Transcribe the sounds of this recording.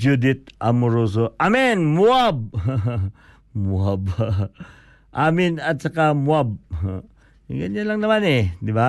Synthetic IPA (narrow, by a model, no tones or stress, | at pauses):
d͡ʒud̪ɪt̪̚ʔamʊɾoːs̬oʔamɛnmuab̚ | muab | ʔaːmɪnɐt̪̚t͡ʃɐkamuab̚ | ŋaɲanlaŋnɐmanɛd̪ɪba